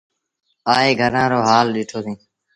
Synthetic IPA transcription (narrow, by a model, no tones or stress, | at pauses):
aːeːɡʱəɾãːɾoːɦaːlɗɪːʈʰoːsĩː